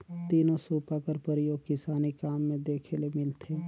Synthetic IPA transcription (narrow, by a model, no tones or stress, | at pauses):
t̪iːnõsuːpakəɾpəɾɪjoːɡ̚kɪsaːnikaːmːẽd̪eːkʰelemɪlt̪ʰe